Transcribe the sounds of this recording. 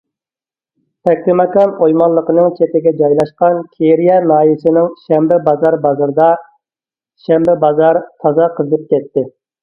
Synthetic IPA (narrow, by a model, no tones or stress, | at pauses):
t̪ʰɛk̚ʲɾɪmɑkɑnojmɑnlˠːəqənɨŋt͡ʃʰep̪ɪɡʲɛd͡ʒɑjlˠɑʃqɑnkʲʰeɾijɛnɑːjisɪnɪŋʃɛmbɛbɑzɑɾbɑzɨɾɨd̪ɑ | ʃɛmbɛbɑzɑɾt̪ʰɑzɑqʰəznɨp̚kʲɛt̪ʰːɪ